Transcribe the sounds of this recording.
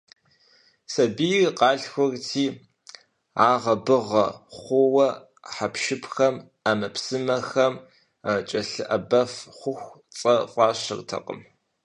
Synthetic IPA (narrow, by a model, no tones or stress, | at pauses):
sɐbijqɑːɬxʷɔrtʰiː | ʕaːʁɐbɨʁɐχʷʊwɐ | ħapʃɪpʰxɐm | amɐpsɨmɐxɐm | t͡ʃʼɐɬɨʔɐbɐfχʷʊxʷ | t͡sʼɐfʷʼɑːʃɕɨ̰rtʰɐ̰qʼə̰m